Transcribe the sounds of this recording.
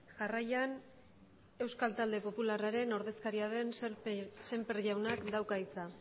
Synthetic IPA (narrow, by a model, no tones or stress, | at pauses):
ʝarajan | e̞wskalt̪ald̪e̞po̞pularaɾe̞no̞ɾðe̞skaɾiaðe̞n | se̞mperʝawnakd̪awkajt͡sa